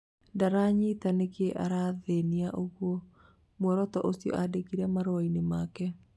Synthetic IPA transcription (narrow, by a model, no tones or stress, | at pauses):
daɾaɲitanekeʔa̰ɾaːðeniaʔoɣwɔ | mwɔɾɔtɔʔosiɔ̰ʔadekiɾɛmaɾoainemakɛ